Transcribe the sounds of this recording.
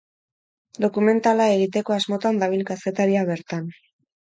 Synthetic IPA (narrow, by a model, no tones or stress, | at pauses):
d̪o̞kume̞nt̪alae̞ɣit̪e̞ko̞azmo̞t̪and̪aβ̞ilkase̞t̪aɾiaβe̞ɾt̪an